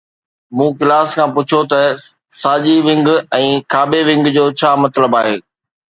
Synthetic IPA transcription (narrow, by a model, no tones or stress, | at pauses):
mũːkɪlaːskʰãːpʊt͡ɕʰot̪ɐ | saːd͡ʑiʋɪ̃ŋɡɛ̃ːkʰaːbeʋɪ̃ŋɡd͡ʑoːt͡ɕʰaːmɐt̪ləbaːɦeː